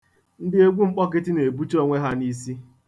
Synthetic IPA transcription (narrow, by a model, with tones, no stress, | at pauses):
n̩˦dɪ˦e˦ɡʷu˦ŋ͡m̩˦k͡pɔ˦kɪ˦tɪ˦ne˨bu˦t͡ʃo˦ŋʷe˦ɦa˦ni˦si˦